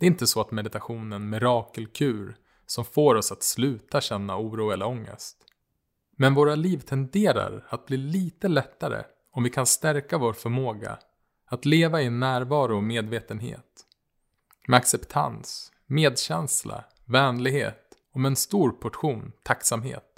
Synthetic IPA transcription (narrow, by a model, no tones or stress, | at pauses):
d̪ɛɪnt̪əsɔat̪mɛd̪ɪt̪aɧuːnənmɪɾɑːkəlkʰʉ̟ːɾ | sɔmfoːɾɔsat̪slʉ̟ːt̪aɕɛnːa̰uːɾuːɛləɾɔŋːə̰st̪ | mɛnvoːɾaliːvt̪ʰɛnd̪eːɾa̰ɾat̪̚bliːliːt̪əlɛt̪ːaɾə̰ | ɔmvɪkʰanst̪æɾkavoːɾfœɾmoːɡa̰ | at̪leːvaɪɛnːæːɾvɑːɾʊɔmeːd̪veːt̪ənɦḛːt̪ | mɛaksɛpt̪ʰa̰ns | meːd̪ɕɛnsla̰ | vɛːnlɪɡhḛːt̪ | ɔmɛɛnst̪uːɾpʰɔʈɧuːnt̪ʰaksamɦḛːt̪̚